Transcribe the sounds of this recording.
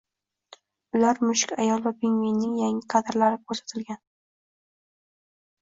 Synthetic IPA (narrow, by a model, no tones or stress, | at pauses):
ʊlaɾmʊʃɪkʲa̰jɒlˠvapʰeŋvijnːɪŋjaŋɪqʰɑd̪ɪɾlaɾɪkʰɵɾsḁt̪ʰɪlɡʲan